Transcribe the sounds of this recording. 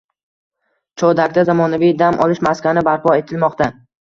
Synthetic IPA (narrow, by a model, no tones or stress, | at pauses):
t͡ʃʰɒd̪ak̚ʲd̪azamɒnavijd̪amʔɒ̰lˠɪʃmaskʲanɪbaɾpʰɒe̞t̪ʰɪlmɒqt̪a